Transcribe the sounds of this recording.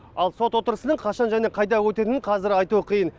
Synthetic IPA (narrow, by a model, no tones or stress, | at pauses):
ɑlˠso̞t̪wo̞t̪əɾəsənəɴqʰɑʃɑnʒæne̞qʰɑjd̪ɑwɵt̪e̞t̪ɪnɪɴqʰɑzɪɾɑjt̪uəqʰijən